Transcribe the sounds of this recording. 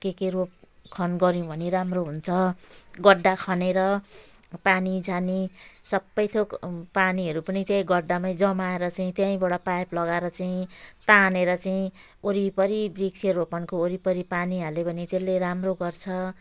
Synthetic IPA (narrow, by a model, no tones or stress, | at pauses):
kekerop̚kʰʌnɡʌɾjũbʱʌniɾamroɦunt͡sʰʌɡʌɖːakʰʌneɾʌ | panid͡zanisʌbːʌjt̪ʰokpaniɦʌɾupʌnit̪jajɡʌɖːamajd͡zʌmaeɾʌt͡saĩt̪jãĩbʌɽʌpajplʌɡaɾʌt͡saĩt̪aneɾʌt͡saĩ | oɾipʌɾibrikseropʌnkooɾipʌɾipaniɦalebʌnit̪elːeɾamroɡʌrt͡sʰʌ